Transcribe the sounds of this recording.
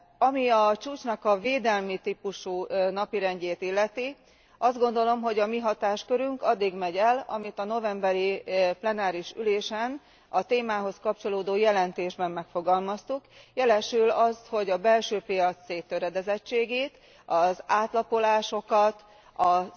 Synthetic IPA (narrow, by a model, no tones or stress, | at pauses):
ɒmiɒt͡ʃuːt͡ʃnɒkɒveːd̪ɛlmit̪ipuʃunɒpiɾɛɲɟeːt̪ilːɛt̪i | ʔɒzd̪ɡo̞nd̪o̞lo̞mɦo̞ɟɒmiɦɒt̪aːʃkø̞ɾyŋkɒd̪ːiɡmɛɟɛlɒ̰mit̪ɒno̞vɛmbɛɾiplɛnaːɾiʃy̰leːʃɛn | ɒt̪eːmaːɦo̞skɒp̚t͡ʃo̞loːd̪oːjɛlɛnt̪eːʒbɛmːɛkfo̞ɡɒlmɒst̪ukjɛlɛʃylɒsho̞ɟɒbɛlʃøːpijɒsːeːt̪ːøɾɛd̪ɛzɛt͡ʃːeːɡeːt̪ | ɒzaːt̪lɒpo̞laːʃo̞kɒt̪ | ɒ